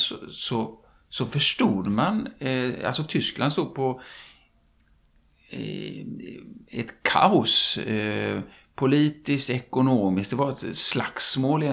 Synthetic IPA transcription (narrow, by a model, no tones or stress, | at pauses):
sɔsɔ | sɔfœʂʈuːd̪mana̰lsɔt̪ʰʏsklʔand̪st̪uːd̪̚pʰɔ | ɛt̪kʰa̰ʊs | pʰʊliːt̪ɪskt̪ɛkʊnoːmɪsk̚d̪ɛvaɾɛt̪slaksmoːlɪɛ